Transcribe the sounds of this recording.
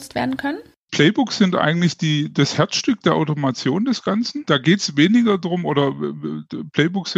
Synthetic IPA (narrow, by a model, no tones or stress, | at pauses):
t͡stv̥ḛːɐdn̩kʰœnən | pʰl̥ɛɪbʊksz̥ɪntʔa̰ɪɡŋ̩tlɪçd̥iːd̥ashɛɐt͡sʃtʏk̚d̥eːɐʔa̰ʊtomat͡sjoːndɛsɡ̥ant͡sn̩d̥aːɡeːtsveːnɪɡɐdʁʊmʔoːɾɐ | pl̥ɛɪbʊksɪ